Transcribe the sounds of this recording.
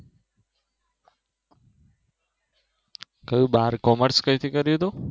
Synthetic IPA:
kəjũbaɾkɔməɾskəit̪ʰikəɾjut̪o

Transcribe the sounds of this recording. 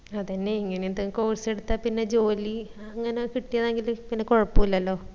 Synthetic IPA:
ɐt̪ɐnːeiŋːɐneind̪ɐkoːrse̞ɽut̪ːapinːe̞d͡ʑo̞ːliɐŋːɐnekiʈːijɐðeːŋɡilpinːe̞koɻɐpːuilːɐlːo̞ː

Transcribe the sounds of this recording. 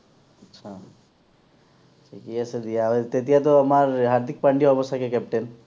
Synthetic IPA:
ətːʃʰa | sʰikiesed̪ijaet̪et̪ijat̪̬oəmaɾɦaɾd̪ʱik̚pəɳɖiɔbɔst̪ʰakekɛp̚ʈen

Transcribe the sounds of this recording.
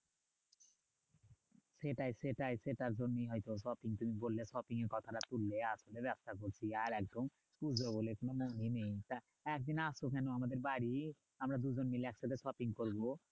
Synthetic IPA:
seʈajseʈajseʈaɾd͡ʑonːiɦɔjt̪oʃɔpiŋt̪umibollesɔpiŋeɾkɔt̪ʰaɾat̪uɾleaʃolebɛpst̪ak̬oɾt͡ɕʰiaɾɛk̚d̪ʱom | pud͡ʑʱobolekonomoninejt̪a | ɛk̚d̪inasok̬ɛnoamad̪eɾbaɾi | amɾad̪ud͡ʑonmileɛkʃat̪ʰeʃɔpiŋkoɾbo

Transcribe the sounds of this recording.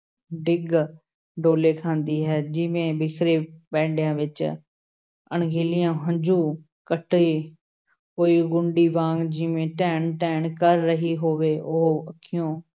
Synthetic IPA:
ɖɪɡ | ɖoːleːkʰãːnd̪iːɦɛːd͡ʒɪʋẽːbɪkʰɾeːpɛ̃ːɳɖjãːʋɪt͡ʃ | əɳɡeːlɪjãːɦə̃ɲd͡ʒuː | kəʈiː | koːiːɡʊɳɖiːʋãːŋɡd͡ʒɪʋẽːʈɛːɳʈɛːɳkəɾːəɦiːɦoːʋeːʔʊɦəkʰːɪjõː

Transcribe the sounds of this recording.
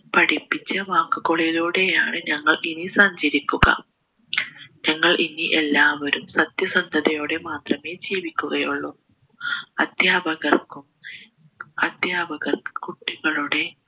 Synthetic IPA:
pɐʈipːit͡ɕːɐʋaːkːuɣoɭɐjiloːɽe̞jaːɳɨɲɐŋːɐɭinisɐɲd͡ʑɐɾikʲːuɣɐ̰ | ɲɐŋːɐɭʔiniʔe̞lːaːʋɐɾumsɐt̪jɐsɐnd̪ʱɐðɐjo̞ːɽe̞maːt̪rɐme̞ːd͡ʑeːʋikʲːuɣɐjuɭːo | ɐd̪ʱjaːbɐɣɐrkum | ɐd̪ʱjaːbɐɣɐrkuʈːiɣɐɭuɽe̞

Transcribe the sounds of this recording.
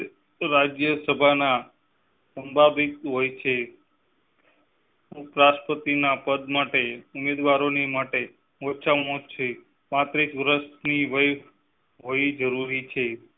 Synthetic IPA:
ɾad͡ʒjəsəbʱana | səmbʱabikɦojt͡ʃʰe | ũpɾaʃpət̪inapəd̪maʈeʊmed̪ʋaɾonemaʈe | ot͡ʃʰamot͡ʃʰe | mat̪ɾit͡ʃʋɾəsniʋəj | ɦoid͡ʒəɾuɾit͡ʃʰe

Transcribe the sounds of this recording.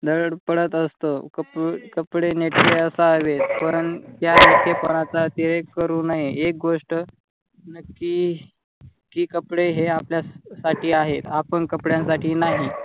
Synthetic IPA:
d̪əɽəɽpəɽət̪əst̪okəpkəpɽeneʈʰʋeəsaəʋetpəɳt̪jaekʰepəɽ̃at͡sat̪iɾekːəɾuːnaɦeek̚ɡoʂʈə | nəkːi | kːiːkəpɽeɦeapljasaʈʰiːaɦet̪apəɳkəpɽjãnsaʈʰiːnaɦi

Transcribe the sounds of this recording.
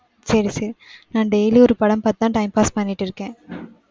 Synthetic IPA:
sɐɾiseːɾnaːnɖeːliɔɾɯpɐɽɐmpɐt̪ɯt̪ãːʈɐɪmpaːspɐnːɪʈːɪɾɯkːẽː

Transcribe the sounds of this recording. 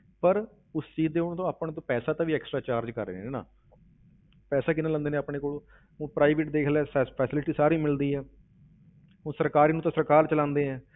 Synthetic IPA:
pəɾ | ʊst͡ʃiːd̪eːʊñːt̪õːaːpɳ̃ːt̪̬õːpɛːsaːt̪ãːʋiːɛːksʈɾaːt͡ʃaːɾd͡ʒkəɾḛːneːna̰ː | pɛːsaːk̬ɪnãlə̃nd̪eːnẽːaːpɳeːkoːloː | õːpɾaːɪʋɪʈd̪eːkʰlɛːspʰɛːsɪlɪʈiːsaːɾiːmɪld̪iːɛː | ʊ̃ːsəɾkaːɾiːnũːt̪ãːsəɾkaːɾt͡ʃəlãːnd̪eːɦɛ̃ː

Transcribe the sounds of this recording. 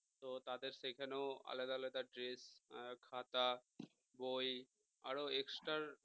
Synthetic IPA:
t̪ot̪ad̪eɾsekʰaneoa̰led̪aled̪aɖɾeskʰat̪a | boj | aɾoeksʈaɾ

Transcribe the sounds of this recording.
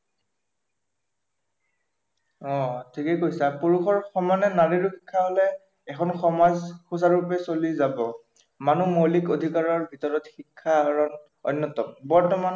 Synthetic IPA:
ɔtʰikɛkojsapuɹukʰɔɹxɔmanɛnaɹiɹʊxikʰːaɦolɛː | kʰɔnxɔmazxusaɹupɛsolizabɔ | manumolikodʱikaɹɔɹbʱitɔɹɔtxikʰːaɦaɹɔn | ɔ̰nːɔtɔmbɔɹtɔman

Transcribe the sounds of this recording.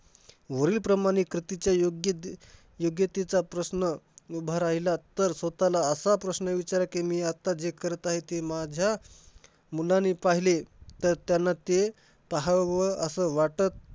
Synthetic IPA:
ʋəɾiːlpɾəmaɽ̃ikɾit̪it͡ɕjajoɡjə | joɡjət̪it͡sapɾəsnəubʱaɾaɦilat̪əɾsʋət̪alaəsapɾəsnəʋit͡ɕaɾakemiːat̪ːad͡zekəɾt̪aɦet̪emad͡ʑʱja | mulanipaɦilet̪əɾt̪janːat̪e | p̪aɦaʋəəsəʋaʈət̪̚

